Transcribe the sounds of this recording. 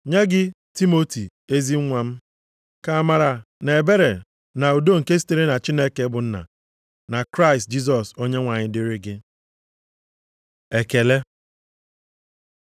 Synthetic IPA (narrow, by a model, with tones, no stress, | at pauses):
ɲe˦ɡɪ˦ | ti˦mo˦ti˨ | e˦zi˦ŋʷa˨m̩˦ | ka˨a˨ma˨ɾa˨ | ne˨e˨be˦ɾe˨ | na˨u˨do˦ŋ̩˨ke˦si̥˦te˦ɾe˦na˨t͡ʃi˦ne˦ke˨˦bʊ˨n̩˦na̰˨ | na˨kɾa˦ɪ˨st̚d͡ʒi˦s̬ɔ˨so˦ɲe˦ŋʷa˨ɲɪ˦dɪ˦ɾɪ˦ɡɪ˦ | e˨ke˨le˦